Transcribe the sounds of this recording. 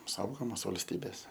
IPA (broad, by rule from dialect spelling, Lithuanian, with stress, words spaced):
ˈsɐʊɡoːmoːs ʋɐlʲsʲˈtʲiːbʲeːs